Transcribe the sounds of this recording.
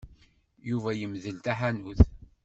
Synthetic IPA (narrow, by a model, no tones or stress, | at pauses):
juvæjəmðəlt̪aħanuθ